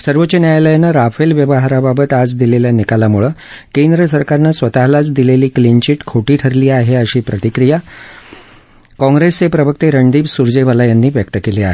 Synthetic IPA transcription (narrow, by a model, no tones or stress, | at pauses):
səɾʋəːt͡ɕənjajləjnaɾafelʋjəʋəɦaɾababət̪ad͡zd̪ileljanikalamuɭəkẽnd̪ɾəs̬əɾkaɾnasʋət̪aɦlat͡sd̪ileliːklint͡ɕiːʈkʰoʈiːʈʰəɾliːaɦeəɕiːpɾət̪ikɾija | kɔ̃ŋɡɾest͡sepɾəbəkt̪eɾəɳɖ̪iːbsuɾd͡zeʋəlajanːiːʋjəkt̪əkeliːa̰ɦe